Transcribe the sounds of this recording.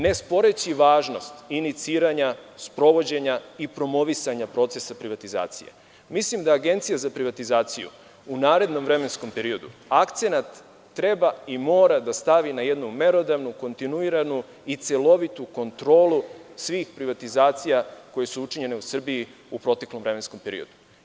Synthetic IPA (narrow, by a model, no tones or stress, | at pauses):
ne̞spo̞ɾe̞t͡ɕiʋaːʒno̞st̪init̪siːɾaɲaspɾo̞ʋo̞d͡ʑe̞ɲaipɾo̞mo̞ʋisaɲapɾo̞t̪se̞sapɾiʋat̪iza̰ːt̪sḭjḛ | mislimd̪aːɡe̞nt̪sijazapɾiʋat̪izaːt̪sijṵ | unaːɾe̞d̪no̞mʋɾe̞me̞nsko̞mpe̞ɾio̞d̪ṵakt̪se̞nat̪ː | ɾe̞baimo̞ːɾad̪ast̪aʋinaje̞d̪nume̞ɾo̞d̪aʋnuko̞nt̪inuiɾanu | it̪se̞lo̞ʋit̪uko̞nt̪ɾo̞ːlusʋiːxpɾiʋat̪izaːt̪sijako̞je̞suut͡ʃiɲe̞ne̞usr̩bii | upɾo̞t̪e̞klo̞mvɾe̞me̞nsko̞mpe̞ɾḭo̞d̪u